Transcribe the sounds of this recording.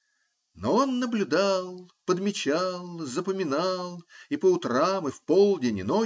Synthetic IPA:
noonːəblʲʊd̪alˠpəd̪mʲɪt͡ɕalˠzəpəmʲɪnɑlˠipəʊt̪ɾamɨfpolˠdʲɪnʲɪno

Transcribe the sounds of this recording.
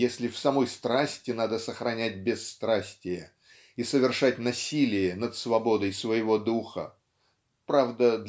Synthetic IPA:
jesʲlʲɪfsɐmo̞jst̪ɾasʲtʲɪnad̪əsəxɾɐnʲæt̚ʲbʲɪsːt̪ɾasʲtʲɪjə | isəvʲɪrʂatʲnɐsʲilʲɪjənət̪svɐbo̞d̪əjsvəjɪvo̞d̪uxə̰ | pɾavd̪əd̪

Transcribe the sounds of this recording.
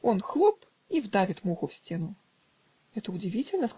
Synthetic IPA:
ɔnxlˠɔp | ivd̪avʲɪt̪muɣʊfsʲt͡sʲenʊ | ɛt̪əʊd͡zʲɪvʲit͡sʲɪlʲnəs

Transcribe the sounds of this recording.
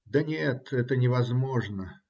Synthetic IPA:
d̪ɐnʲet̪ɛt̪ənʲɪvɐzmoʐnə

